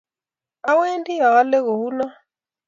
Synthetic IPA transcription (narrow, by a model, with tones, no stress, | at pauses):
a˦we˦ndi˦a˨ɣa˦le˦ɣo˨hu˦na˦